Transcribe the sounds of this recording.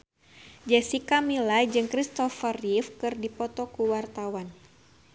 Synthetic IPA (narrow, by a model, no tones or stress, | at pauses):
d͡ʒɛsikamilad͡ʒɨŋkɾist̪ɔfərifkɨrdipɔt̪ɔkuwart̪awan